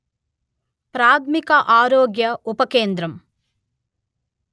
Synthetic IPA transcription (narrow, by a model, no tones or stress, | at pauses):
pɾaːt̪ʰmikɐʔaːɾoːɡjɐupɐkeːnd̪ɾɐm